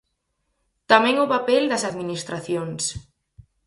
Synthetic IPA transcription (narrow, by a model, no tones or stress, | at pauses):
t̪amɛ̃ŋʊpapɛld̪ɐsaðminist̪ɾaθjoŋs